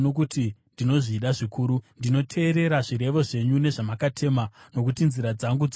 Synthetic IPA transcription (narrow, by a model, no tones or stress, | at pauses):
nok̬utindino̞ʐiːɗaʐikuːɾundino̞tʰe̞ːɾe̞ɾaʐiɾe̞ʋo̞ʐe̞ɲune̞ʐamakatʰe̞mano̞k̬utinziɾad͡zaŋɡud͡z